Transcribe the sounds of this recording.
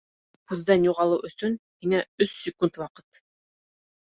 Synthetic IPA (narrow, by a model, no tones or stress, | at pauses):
kʉðːænjuʁɑlˠɤwʔɵ̆sɵnhiŋæɵsːɪkunt̪wɑqɤ̥t̪